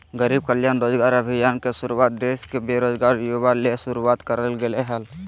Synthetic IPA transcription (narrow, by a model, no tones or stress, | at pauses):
ɡəɾib̚kəljandɾod͡ʒɡaɾəbʱijankesuɾuwat̪̚d̪eskebeɾod͡ʒɡaɾjobalesuɾuat̪kəɾəlɡeleɦəl